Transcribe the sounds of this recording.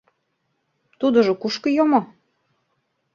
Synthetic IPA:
t̪ud̪ə̆ʒokuʃkɤ̆jomo

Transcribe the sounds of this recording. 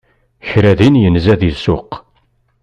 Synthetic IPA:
çɾæðinjənzæðisʊ̰q

